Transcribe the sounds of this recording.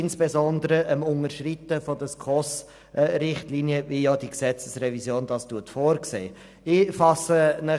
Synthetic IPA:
ɪnsb̥ezɔnd̪əɾəʔəmʊŋəʃrit̪ːəfɔd̪əskʰɔs | ɾɪχtliːniəvijɑd̥iksɛt͡səsrɛvizjoːnd̥ɑstuətfoːɾksḛː | ɪfɑsənə

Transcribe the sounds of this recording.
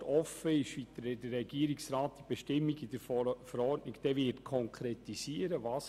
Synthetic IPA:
tɔfəɪʃʋitədəːɛɡ̥iəɾiksɾɑːt̚d̥̪ib̥eʃtɪmːiɡid̥əɾfəɾɔrdnɪkd̥ɛːʋɪɾtkʰɔŋkʰɾet̪isiəɾəvɑːs

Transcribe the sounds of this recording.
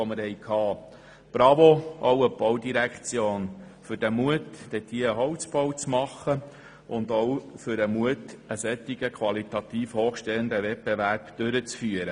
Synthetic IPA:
oməɾhɛɪkʰhɑː | b̥ɾɑvoɔwəbɔwdiɾækχt͡sjoːnfʏɾd̥ɛmuətd̥ɛt̪iəəɦɔwt͡sb̥ɔwt͡smɑχə | ʔʊnd̪ɔwfʏɾəmuət̪əsɛt̪ːiɡəkʰʋɑlit̪ɑt̪iːfhoːχʃtɛənd̪əʋɛtbevæɾpd̥øɾət͡sfyəɾə

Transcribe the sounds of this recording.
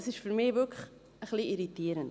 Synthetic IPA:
əsisfərmivøkχ | əχliiɾitiəɾənt

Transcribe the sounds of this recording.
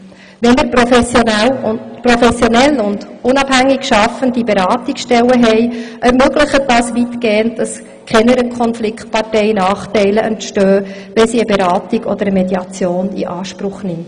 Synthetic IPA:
ʋɛnməɾpɾofɛsjonɛlpɾɔfɛsjɔnɛlːʊndʊnɑbhæŋːikʃɑfəndibeɾɑːt̪iksʃtɛlːəɦɛɪʔɛɾmøɡləχət̚d̥ɑːsʋitɡeːənt̚d̥ɑs | kʰɛnəɾəkʰɔnflɪkt̚pɑrtɛɪnɑːχtɛɪləʔəntʃtøː | ʋɛnsiəbeɾɑːtiɡɔ̰d̪əɾəmed̪iɑt͡sjoːnḭʔɑːʃpɾʊχnɪmt

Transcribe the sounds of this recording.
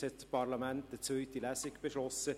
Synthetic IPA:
hɛt̪pʰɑɾlɑmæntdət͡svøʏt̪ilæːsɪkb̥eʃlɔsə

